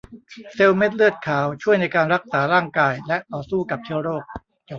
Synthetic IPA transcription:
se˧wme˦˥t̪̚lɯ˥˩ət̪̚kʰaː˩˦wt͡ɕʰu˥˩əjna˧jkaː˧nɾa˦˥k̚saː˩˦ɾaː˥˩ŋkaː˧jlɛ˦˥ʔt̪ɔː˨˩suː˥˩ka˨˩p̚t͡ɕʰi˥˩əwɾoː˥˩k̚

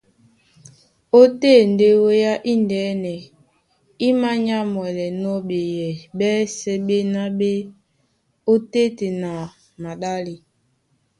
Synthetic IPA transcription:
o˦te˦n˨de˦wo˦ja˦ʔi˦ndɛː˨˦nɛ˨ | i˦ma˦ɲa˦mwɛ˨lɛ˨nɔ˦ɓe˨jɛ˨ɓɛ˦sɛ˦ɓe˦na˦ɓe˦ | o˦te˦te˨na˨ | ma˨ɗa˦li˨

